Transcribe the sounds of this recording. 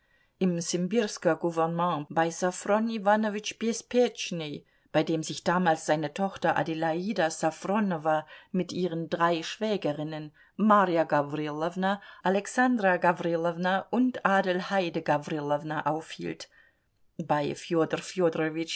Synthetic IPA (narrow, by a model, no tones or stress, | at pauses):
ʔɪmsɪmbɪʁskɐɡuvɛʁnəmɑ̃baɪsafʁɔnivanovɪt͡ʃpjɛspʰɛt͡ʃne | b̥aɪdeːmzɪçd̥aːmaːlsz̥aɪnətʰɔχtɐʔa̰dilaiːdasafʁɔnɔvamɪtʔiːʁəndʁaɪʃv̥ɛːɡəʁɪnən | maːʁjaɡavʁilɔvnaʔalɛksandʁaɡavʁilɔvnaʔʊntaːdɪlhaɪdəɡavʁilɔvnaʔaʊfhḭːlt | b̥aɪfjoːdərfjodʁɔvɪt͡ʃ